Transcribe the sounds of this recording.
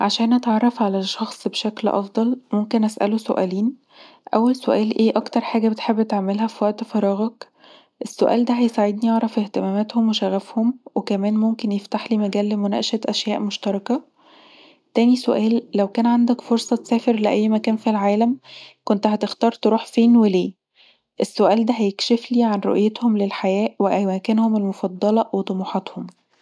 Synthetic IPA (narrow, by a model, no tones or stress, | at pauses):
ʕaʃæːnʔæt̪ʕɑrˤːɑfʕalæʃːɑxsˤbeʃæklʔɑ̰fd̪ˤɑlmomkenʔæsʔæ̰losoʔæ̰ːliːn | ʔæwːælsoʔæːlʔeːʔɑkt̪ɑɾˤħaːɡæbet̪ħebːet̪eʕmelɦæfiwæʔt̪fɑɾˤɑːɣɑk | ʔesːo̰ʔæ̰ːld̪æɦæjsaʕed̪̚nijɑʕɾˤɑfeht̪emæːmæt̪homweʃæɣæfhomwekæmæːnmomkenjeft̪aħliːmæɡæːlːmonæ̰ʔʃæt̪ʔæʃjæːʔmoʃt̪ɑɾˤɑkæ | t̪æːnisoʔæːlːæwkæːnʕand̪ækfoɾsˤɑt̪sæːfeɾleʔæjːmækæːnfilʕaːlæmkont̪ɦæt̪ext̪ɑːɾˤt̪eɾuːħfeːnweleː | ʔesːoʔæːld̪æɦæjekʃefliːʕanɾo̰ʔjet̪homlelħajæːʔweʔææːkenhomelmofɑd̪ˤːɑlɑwet̪ˤomuːħɑt̪hom